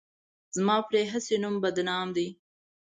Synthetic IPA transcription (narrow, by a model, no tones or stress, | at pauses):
z̥mɑːpɾeɦəsenumbad̪nɑːmd̪i